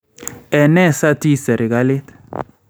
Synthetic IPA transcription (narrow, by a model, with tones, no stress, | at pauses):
ɛ˨nɛ˦˨sa˦ti˦sɛ˨ɾe˨ka˦le˦t̪